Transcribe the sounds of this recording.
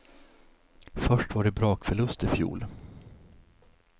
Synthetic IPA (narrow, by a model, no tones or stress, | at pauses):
fœʂʈvaɖɛbɾɑːkfœɭɵst̪ɪfjṵːl